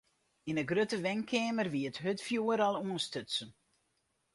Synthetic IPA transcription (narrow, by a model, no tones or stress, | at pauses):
inəɡrøtəʋɛŋkʰɛːmərʋiətɦøtfjuːəɾalˠuənstøtsən